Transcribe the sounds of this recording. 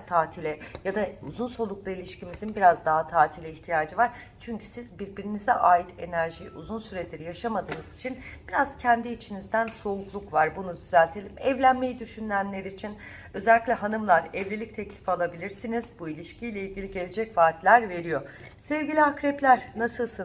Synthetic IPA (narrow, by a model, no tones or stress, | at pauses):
t̪ʰaːt̪ʰilʲɛjad̪aṵzunso̞lˠuklˠailʲiʃcimizinbiɾazd̪aɦat̪ʰaːt̪ʰilʲɛiçt̪ʰijaːd͡ʒɯvaɾ̥ | t͡ʃʰyɲcʰy̥sizbiɾbiɾinizɛʔaːjit̪ʰe̞næɾʒiʔuzunsyɾɛt̪lʲeɾijaʃamad̪ɯːnɯz̥it͡ʃʰinb̥iɾaz̥cʰɛnd̪iːt͡ʃʰinizd̪ænso̞uklˠukvaɾbunud̪yzælʲt̪ʰe̞lʲimɛvlʲænme̞jid̪yʃynlʲænlʲeɾiːt͡ʃʰin | ø̞zælʲːiclʲɛɦanɯmlˠaɾɛvlʲelʲic̚t̪ʰɛclʲi̥falˠabilʲiɾsinizbuilʲiʃcʰijlʲeilʲɟilʲiɟe̞lʲed͡ʒɛcvaːt̪lʲæɾve̞ɾijo̞sɛvɟilʲiakɾɛplʲæɾ̥nasɯlˠsɯn